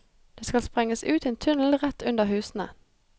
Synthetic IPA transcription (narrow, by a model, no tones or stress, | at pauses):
d̪̥eːskɑlspʁɛŋəsʉːt̪eːnt̪ʰʉnl̩ʁɛt̪ːʉnd̪əɦʉːsn̩ə̰